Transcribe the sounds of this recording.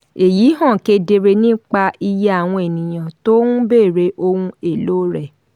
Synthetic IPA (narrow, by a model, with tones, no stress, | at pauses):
e˨jiː˨˦ɦɔ̃˦˨ke˧de˧ɾe˧nĩ˦k͡pa˧i˧ja˦a˦˨w̃ɔ̃˧e˨nĩ˨j̃ã˨to˦nũ˦be˦˨ɾe˨˦ʔo˧hũ˧e˨loː˦ɾɛ˦˨